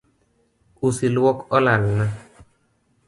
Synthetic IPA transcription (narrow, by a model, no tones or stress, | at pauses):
usilwɔkɔlalna